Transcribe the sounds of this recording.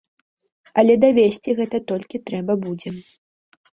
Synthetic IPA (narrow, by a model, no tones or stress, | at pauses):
ɐlʲɛd̪ɐvʲesʲt͡sʲiɣɛt̪ɐt̪ɔlʲkʲit̪ɾɛbɐbud͡zʲɛ